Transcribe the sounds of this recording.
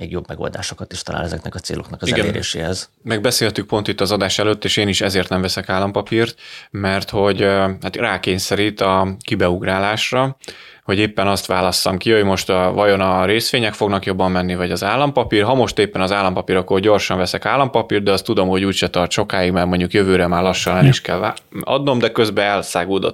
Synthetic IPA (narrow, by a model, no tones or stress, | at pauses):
mḛːɡjo̞bmɛɡo̰ld̪a̰ːʃokɒt̪iʃt̪ɒla̰ːnɛzɛknɛkɒt̪seːloknɒkɒziɛɡɛleːɾḛːʃeːhɛz | mɛɡ̚bɛseːlt̪yk̚po̞nt̪it̪ːɒzɒd̪aːʃɛløːt̪ːeːʃeːniʃɛzeːrt̪nɛmvɛsɛkaːlːɒmpɒpiːrt̪mɛrt̪ho̞ɟhat̪raːkeːɲsɛɾit̪ɒkibɛuɡraːlaːʃrɒ | ho̞ɟeːpːɛnɒst̪ʋaːlɒsːɒmkiho̞ɟmo̞ʃt̪vɒjo̞nɒɾeːsʋeːɲɛkfo̞ɡnɒkjo̞bːɒmːɛnːivɒɟɒzaːlːɒmpɒpiːrɦɒmo̞ʃt̪eːpːɛnɒzaːlːɒmpɒpiɾɒkːorɟo̞rʃɒɱvɛsɛkaːlːɒmpɒpiːrd̪ɛɒst̪ːud̪o̞mho̞ɟuːcʃɛt̪ɒrt͡ʃʃo̞kaːjiɡmaːrmo̞ɲɟukjøvøːɾɛmaːrlɒʃːɒnɛmiʃkɛla | ɒ̰d̪no̞md̪ɛkø̞zbɛɛlsaːɡuːd̪o̞̰t̪